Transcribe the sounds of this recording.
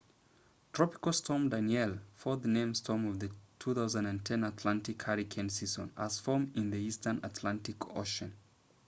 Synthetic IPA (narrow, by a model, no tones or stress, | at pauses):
tʰɹ̥ɔpɪ̥kəlˠstʰɔmdanjɛlˠfɔðənẽɪ̃mstʰɔmɔvðɨtʰuθaʊzə̃ndɨ̃ntʰɛ̃natʰlãntɪkhaɹikʰɛ̃nsizə̰̃nə̰z̥fɔmɪ̃nðiistə̃nə̰tʰlãntɪkʰo̰ʃə̃n